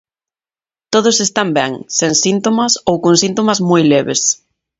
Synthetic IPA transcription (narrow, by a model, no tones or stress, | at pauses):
t̪oð̞osest̪ambɛŋseŋsint̪omɐsowkoŋsint̪omɐzmojlɛβḛs